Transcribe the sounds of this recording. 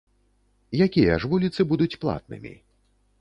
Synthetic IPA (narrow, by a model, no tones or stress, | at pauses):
jakʲijɐ̰ʐvulʲit̪sɨbud̪ut͡sʲplˠa̰t̪̚nɨ̰mʲḭ